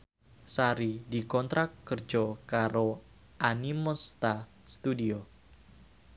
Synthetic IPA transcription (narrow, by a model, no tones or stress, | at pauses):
saɾidikɔnt̪ɾakːərd͡ʒɔkaɾo | ʔanimɔst̪a | st̪udio